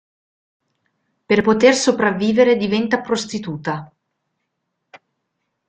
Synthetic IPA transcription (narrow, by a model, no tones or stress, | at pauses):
perpot̪ersopɾavːiːveɾed̪ivɛnt̪apɾost̪it̪uːt̪a